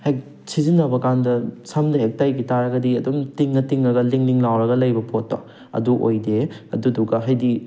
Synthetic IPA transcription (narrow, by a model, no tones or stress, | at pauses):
hejk | sizinːɐbɐkandɐsamdɐek̚tajɡitaɾɐɡɐdiɐdumtiŋːɐtiŋɾɐɡɐliŋliŋlawɾɐɡɐlɐjbɐpotːɔ̰ | ɐ̰duʔojdeɐ̰duduɡɐɦɐjdi